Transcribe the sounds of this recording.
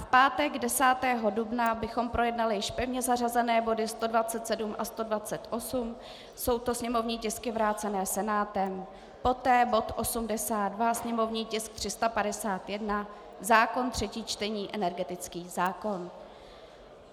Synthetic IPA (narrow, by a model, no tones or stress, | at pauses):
fpaːt̪ɛɡdɛsaːt̪ɛːɦo̞dubnabɪxo̞mpɾʔo̞jɛdnalɪjɪʃpɛvɲɛzar̝azɛnɛːbo̞dɪst̪o̞dvat͡sɛt̪sɛdumʔast̪o̞dvat͡sɛt̪ʔo̞sum | so̞wt̪o̞sɲɛmo̞vɲiːcɪskɪvɾaːt͡sɛnɛːsɛnaːt̪ɛm | po̞t̪ɛːbo̞t̪ʔo̞sumdɛsaːd̪dvasɲɛmo̞vɲiːcɪsk̚t̪r̝̥ɪst̪apadɛsaːt̪jɛdna | zaːko̞nt̪r̝̥ɛciːt͡ʃt̪ɛɲiːʔɛnɛɾɡɛt̪ɪt͡skiːzaːko̞n